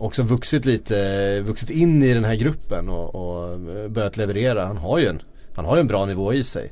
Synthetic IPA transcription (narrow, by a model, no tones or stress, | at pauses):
ɔksɔvɵksɪt̪liːt̪ʰəvɵksɪt̪ɪnːɪd̪ɛnɦæːɾɡɾɵpːənɔɔbœɾjat̪lɛvɛɾeːɾahanɦaɾjɵɛn | hanɦaɾjɵɛnbɾɑːnɪvoːɪsɛ̰j